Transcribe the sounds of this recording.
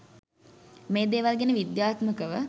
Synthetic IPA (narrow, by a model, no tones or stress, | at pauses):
meːd̪eːʋalɡenəʋid̪jaːt̪məkəʋə